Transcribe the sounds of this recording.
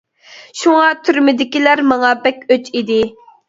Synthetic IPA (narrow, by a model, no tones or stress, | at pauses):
ʃuŋɑt̪ʰyɾmɪd̪ɪkʲilæɾmɑŋɑbɛkʲøt͡ʃid̪ɪ